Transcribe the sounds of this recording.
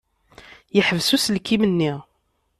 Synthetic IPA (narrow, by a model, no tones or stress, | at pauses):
jəħəvsuslkːimənːi